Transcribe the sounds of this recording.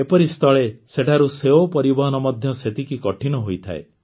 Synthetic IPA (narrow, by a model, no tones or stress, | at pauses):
epɔɾist̪ʰɔɭeseʈʰaɾuseopɔɾibɔɦɔnɔmɔd̪ʱjɔset̪ʰikikɔʈʰiɽ̃ɔɦojt̪ʰa̰ḛ